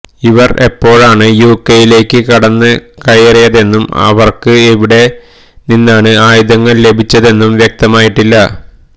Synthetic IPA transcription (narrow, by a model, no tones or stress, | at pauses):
iʋɐrʔe̞pːo̞ːɻaːɳɨjuːkːejile̞ːkːɨkɐɽɐnːɨkɐjɐrijɐðe̞nːumɐ̰ʋɐrkɨeʋiɽe̞ | ninːaːɳɨaːjuðɐŋːɐɭle̞bʱit͡ɕːɐðe̞nːumʋjek̚t̪ɐmaːjiʈːilːɐ